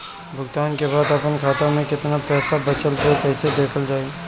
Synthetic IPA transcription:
bʱʊɡt̪aːnkeβaːd̪ɐpənkʰaːt̪amẽkɪt̪napɛːsabɐt͡ʃəlpekɛːsed̪eːkʰəld͡ʒaːe

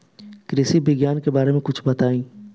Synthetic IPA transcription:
kɾɪsibʱɪɡjaːnkebaːɾemẽkʊt͡ʃʰbɐt̪aːĩː

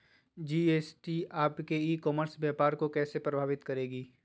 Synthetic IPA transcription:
d͡ʒiːeːsʈiaːpkeiːkɔːməɾsbɛːpaːɾkokɛːsepɾɐbʱaːʋɪt̪kɐɾeːɡiː

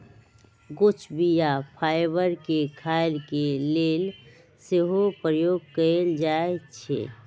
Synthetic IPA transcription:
ɡʊt͡ʃbijapʰaːɪbəɾkekʰaːɪɾkeleːl | seɦopɾəjoːɡ̚kəeld͡ʒaet͡ʃʰḛ

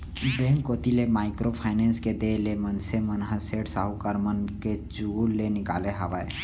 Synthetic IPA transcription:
b̪eːmkoːt̪ilemaːɪkɾopʰaːɪneːnsked̪eːlemənsemənɦəseːʈsaɦukəɾmənket͡ʃullenɪka̰ːleɦəʋae

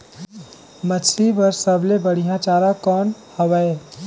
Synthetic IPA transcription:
mət͡ʃʰibəɾsəblebəɽ̤ijãt͡ʃaɾakɔn | həbəe

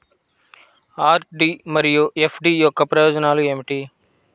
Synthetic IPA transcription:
aːɾɖiːmɐɾijuepʰɖiːjokːɐpɾɐjɔːd͡ʒɐnaːluemiʈiː

